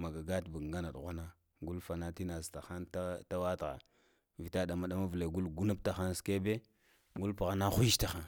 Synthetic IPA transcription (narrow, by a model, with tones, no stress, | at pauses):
ma˨ɡa˨ɡa˦tbu˨ŋɡa˦na˨ɗɣʷa˦na˦ | ɡu˦lfa˨na˦ti˦na˨zta˨xa˦nta˦ta˦wa˦tɣa̰˨ | vi˨ta˦da˨ma˦ɗa˦ma˦vle˨ɡu˦lɡu˦na˦p̚ta˨xa˦nske˦be˦ | ɡu˦lpu˨ɣa˦na˦xu˦ʃta˨xa˦n